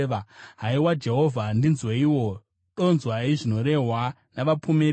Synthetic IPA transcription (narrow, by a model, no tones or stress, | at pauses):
ɦaiwad͡ʒe̞ɦo̞vʱandinzweiwo̞ | ɗo̞nzwaiʐino̞ɾe̞ɦwa | naʋapʰumeɾ